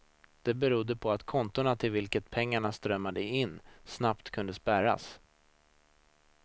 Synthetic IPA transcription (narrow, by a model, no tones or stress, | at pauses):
d̪̥ɛbɛɾud̪ːəpʰɔat̪kʰɔnt̪ʊɳat̪ʰɪlvɪlkət̪̚pʰɛŋːaɳast̪ɾœmːad̪əɪnːsnapt̪kʰɵnd̪əspæɾa̰s